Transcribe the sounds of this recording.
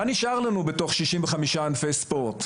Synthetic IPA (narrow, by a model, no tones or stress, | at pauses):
aniʃʔaʁlanube̞to̞χʃiʃimveχamiʃaanfe̞jspo̞ʁt